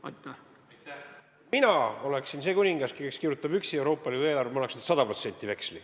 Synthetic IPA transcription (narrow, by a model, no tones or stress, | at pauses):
ɑjt̪ | minɑo̞le̞ksinse̞ːkunʲiŋɡ̥ɑskikeskirʲjut̪ːˑɑb̥yksie̞wɾo̞ːpˑːɑliːd̪ueːlɑrvemɑnɑksned̪̥sɑd̪̥ɑpo̞t̪se̞nʲt̪ːˑive̞ksli